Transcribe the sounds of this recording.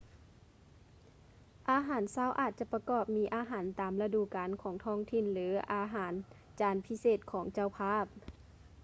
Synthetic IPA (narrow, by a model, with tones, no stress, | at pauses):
ʔaː˧˦ɦaː˨˦nsaː˧˥˨wʔa̰ː˨˩t̪̚t͡ɕa˧˨pa˧kɔː˧˩p̚miː˧˥ʔaː˧˦ɦaː˩˦nt̪aː˨˩mla˧duː˧˨kaː˨nkʰɔː˩˦ŋt̪ʰɔː˧˥˨ŋt̪ʰi˧˩˨nlɯː˩˦ʔaː˨˧˦ɦaː˨˦n | t͡ɕaː˨˧˦npʰi˧˥seː˧˩t̪̚kʰɔː˩˦ŋt͡ɕa˧˨wpʰaː˧˥˨p̚